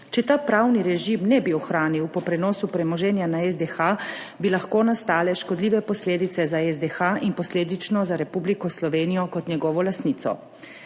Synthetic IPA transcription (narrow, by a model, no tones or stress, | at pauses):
t͡ʃɛt̪aːpɾawniɾɛʒimnɛbiɔxɾaːniwpɔpɾɛnɔːsupɾɛmɔʒɛːnjanaɛzd̪ɛxa | bilaxkoːnast̪aːlɛʃkɔd̪liːʋɛpɔsleːd̪it̪sɛzaɛzd̪ɛxaʔinpɔsleːd̪it͡ʃnɔzaɾɛpublikɔslɔʋeːnijɔkɔt̪ɲjɛɡɔːʋɔlast̪niːt̪sɔ̰